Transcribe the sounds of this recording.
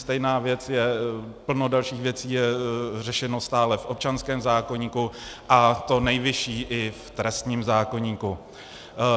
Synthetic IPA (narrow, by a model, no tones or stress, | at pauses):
st̪ɛjnaːvjɛt͡sjɛpl̩nodalʃiːxvjɛt͡siːjɛr̝ɛʃɛno̞st̪aːlɛfʔop̚t͡ʃanskɛːmzaːko̞ɲiːkuʔat̪o̞nɛjvɪʃiːʔɪft̪ɾɛst̪ɲiːmzaːko̞ɲiːku